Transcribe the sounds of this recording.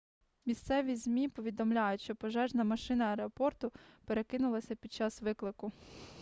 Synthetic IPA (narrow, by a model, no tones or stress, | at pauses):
mʲist̪sɛʋʲizʲmʲipɔʋʲid̪ɔmlʲajʊtʲʃt͡ʃɔpɔʒɛʒnɐmɐʃɪnɐːɾeɔpɔrt̪ʊpeɾe̞kɪnʊlˠɐsʲɐpʲid̪̚t͡ʃɑsʋɪklˠɪkʊ